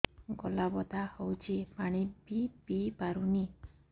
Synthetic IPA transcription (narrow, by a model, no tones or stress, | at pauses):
ɡɔlabɔd̪ʱahɔwt͡ʃʰipaɽ̃ibibipaɾuni